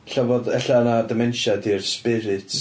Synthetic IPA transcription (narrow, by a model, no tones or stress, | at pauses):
ɬavoðɛɬanadɪmɛnʃadirspɪɾɪtʰ